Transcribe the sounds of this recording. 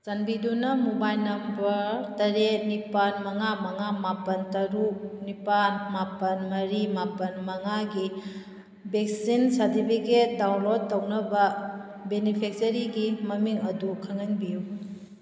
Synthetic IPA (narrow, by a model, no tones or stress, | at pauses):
sanbidunɐmobajnɐmbɐɾtɐɾenipanmɐŋamɐŋamapɐntɐɾuk̚nipanmapɐnmɐɾimapɐnmɐŋaɡi | bek̚sinsɐɾtipʰiket̚dawlod̚ɐwnɐbɐ | benipʰek̚tɐɾiɡimɐmiŋɐdukʰaŋɐnbiju